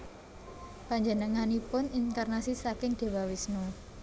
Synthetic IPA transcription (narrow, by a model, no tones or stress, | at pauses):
paɲd͡ʒənəŋanipʊninkarnasisakɪŋd̪̥e̤wawɪsnu